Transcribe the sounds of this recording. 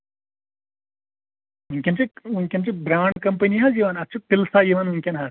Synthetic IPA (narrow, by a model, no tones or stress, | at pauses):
ɦuŋkʲɐnt͡ʃiuŋkʲɐnt͡ʃibɾaːɳɖ̚kɐmpɐniɦad͡ʒiːʋanɐt͡ʃʰupilsaːjiʋanuŋkʲɐnɦa